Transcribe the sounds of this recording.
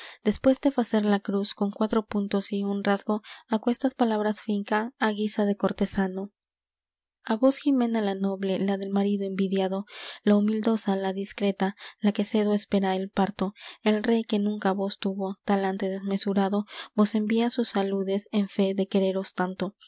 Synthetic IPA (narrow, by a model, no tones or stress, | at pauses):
d̪̥e̞spwe̞zd̪e̞faseɾlakɾusko̞ŋkwat̪ɾo̞punt̪o̞siunrazɡo̞akwe̞st̪aspalaβɾasfiŋkaːɣisaðe̞ko̞ɾt̪e̞sano̞ | aβo̞sximẽ̞nalano̞βle̞laðe̞lmaɾiðo̞embiðjaðo̞laumild̪o̞salaðiskɾe̞t̪alake̞se̞ðoespe̞ɾaelpaɾt̪o̞e̞lre̞jke̞nũŋkaβo̞st̪uβo̞t̪alant̪e̞ðe̞zme̞suɾaðo̞bo̞se̞mbiasusːaluðe̞se̞ɱfe̞ðe̞ke̞ɾe̞ɾo̞st̪ant̪o̞